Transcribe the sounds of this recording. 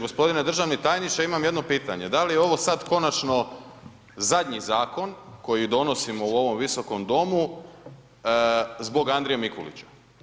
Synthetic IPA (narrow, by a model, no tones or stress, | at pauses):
ɡo̞spo̞d̪ined̪r̩ʒaʋnit̪ajnit͡ʃaimamje̞d̪nopiːt̪a̰ɲe̞d̪alijeo̞ʋo̞sad̪ko̞nat͡ʃno̞ | zad̪ʲɲizaːko̞nko̞jid̪o̞no̞simo̞uo̞ʋo̞mʋiso̞ko̞md̪o̞mu | zbo̞ɡand̪ɾijamikolḭt͡ɕḁ